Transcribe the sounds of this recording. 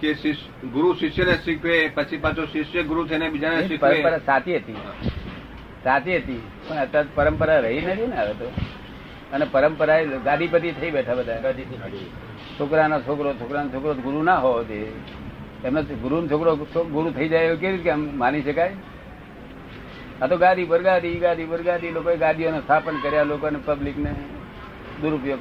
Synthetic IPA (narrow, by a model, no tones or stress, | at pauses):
kesi | ɡʊɾuʃiʃjəneʃikʰʋepət͡ʃʰipat͡ʃʰoʃiʃjəɡʊɾut̪ʰəinebid͡ʒaneikpəɾəmpəɾasat̪iɦət̪i | sat͡ʃ̪iɦət̪i | pəɳət̪ːãt̪pəɾəmpəɾaɾəɦinət̪ʰinaʋet̪o | ənepəɾəmpəɾaeɡad̪ʱipət̪̬it̪ʰəibɛʈʰabəd̪ʱaɡad̪i | t͡ʃʰokɾanat͡ʃʰokɾot͡ʃʰokɾanot͡ʃʰokɾot̪ɡʊɾunaɦod͡ʒe | emnoɡʊɾunt͡ʃʰokɾot͡ʃʰoɡʊɾut̪ʰəid͡ʒajeukeɾit̪ʰkemmaniʃəkaj | at̪oɡãd̪ibəɾɡad̪iɡad̪ibəɾɡad̪ilokoeɡãd̪ʱijonost̪ʰapənkəɾjalokonepəblikne | d̪uɾupjo